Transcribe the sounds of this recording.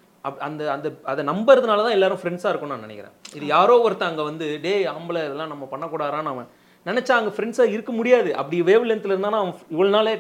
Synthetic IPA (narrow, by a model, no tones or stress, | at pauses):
ɐɐnd̪ɐɐnd̪ɐɐðɐnɐmbɐɾɐðɯnaːlɐt̪ãːɛlːaːɾɯ̃fɾɛɳɖsaːɪɾɯkːʊ̃nːaːnɪnɛ̰kʲːɪɾḛ̃ːɪðɯjaːɾoːʋɐɾɯt̪ːɐ̃ɐŋɡɐʋɐnd̪ɯɖeːambɐlɐɪðɛlːãːnɐmːɐpɐɳːɐkːuːɽaːɾãːnaːmɐ | nɪnɛt͡ʃːaːɐŋɡɐfɪɾɛɳɖsaːɪɾɯkːɐmʊɽɪjaːðɯʔɐ̰pːɐɽɪjɐʋeːʋɪlɛnt̪ːɪlɪɾɯnd̪aːnaːɐʋɐ̃ɪʋɐɭonaːleː